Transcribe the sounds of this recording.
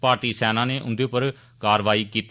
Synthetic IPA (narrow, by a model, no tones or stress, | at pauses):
paːɾʈiːsɛːnãːneːʔʊ̰nd̪eːʊpːəɾ | kaːɾʋaːiːkiːt̪